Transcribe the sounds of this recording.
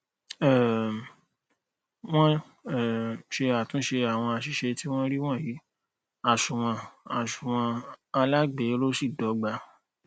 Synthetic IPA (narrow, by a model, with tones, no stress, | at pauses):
ɛ˨ | w̃ɔ̃˦ | ɛ˦˨ʃe˧a˨tũ˨˦ʃe˧a˨w̃ɔ̃˧a˧ʃi˧ʃe˧ti˦w̃ɔ̃˦ɾi˦w̃ɔ̃˦˨ji˨˦ | a˨ʃũ˨w̃ɔ̃˧a˨ʃu˨w̃ɔ̃˧a˧la˦ɡ͡be˨˦lo˦si˦˨dɔ˨˦ɡ͡ba˧